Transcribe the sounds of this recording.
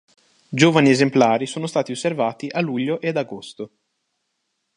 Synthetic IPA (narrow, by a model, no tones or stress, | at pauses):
d͡ʒoːvaniezemplaːɾisoːnost̪aːt̪iosːervaːt̪iʔaluʎːoʔead̪aɡost̪o